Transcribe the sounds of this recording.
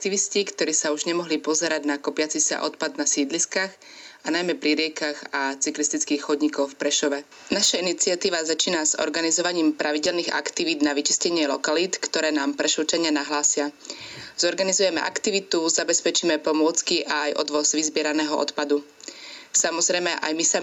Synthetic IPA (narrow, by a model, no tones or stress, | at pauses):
k̚t̪iʋiscikt̪ɔɾiːsauʒɲɛmɔɦlipɔzɛɾaɟnakɔpɪat͡sisa̰ʔɔt̪pad̪nasiːd̪liskaːx | anajmɛpɾiɾɪɛkaɣat͡siklist̪it͡skiːxxɔd̪ɲikɔʊfpɾɛʃɔʋɛ | naʃainit͡sɪat̪iːʋazat͡ʃiːnaz̥ɔ̰ɾɡanizɔʋaɲiːmpɾaʋiɟɛlniɣa̰kt̪iʋiːd̪naʋit͡ʃi̥scɛɲɪɛlɔkaliːt̪kt̪ɔɾɛːnaːmpɾɛʃut͡ʃaɲɪanaɦlaːsɪaz̥ɔɾɡanizujɛmɛ̰ʔa̰kt̪iʋit̪uzabɛspɛt͡ʃiːmɛpɔmʊɔt͡skiʔaːjʔɔ̰d̪ʋɔzʋizbɪɛɾanɛːɦɔʔɔ̰t̪pad̪u | samɔzɾɛjmɛʔa̰jmisa